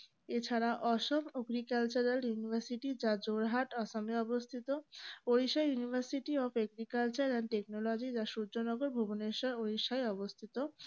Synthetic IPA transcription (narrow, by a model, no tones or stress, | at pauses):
et͡ɕʰaɾaʔɔʃomoɡɾikalt͡ɕaɾeljunibʱaɾsiʈid͡ʑad͡ʑoɾɦaʈɔsamiɔbost̪ʰit̪ooɾiʃajunibʱaɾsiʈiɔpɛɡɾikalt͡ɕaɾɛnɖʈek̚nolod͡ʑid͡ʑaʃuɾd͡ʑonɔɡoɾbʱuboneʃɔoɾiʃajɔbost̪ʰit̪o